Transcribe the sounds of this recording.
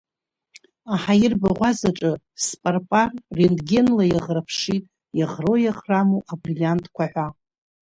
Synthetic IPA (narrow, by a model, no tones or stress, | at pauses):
aħajɪrbaʁʷazaʈ͡ʂʼɨ | spʼarpʼarːendɡʲe̞nlajaʁrapʰʂitʼ | jaʁrojaχramoʔabrilijantʼkʷaħʷᶣa